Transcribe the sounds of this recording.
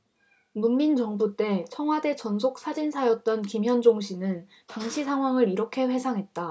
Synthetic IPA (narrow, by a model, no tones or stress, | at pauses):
nunmːint͡ɕʌŋbut͈e̞t͡ɕʰʌŋɦwade̞t͡ɕʌnsʰok̚s͈ʰad͡ʑinsʰajʌt̚t͈ʌnkimjʌnd͡ʑoŋɕʰinɯn | taŋɕʰisʰaŋɦwaŋɯɾiɾʌkʰe̞ɸwe̞sʰaŋɦe̞t̚t͈a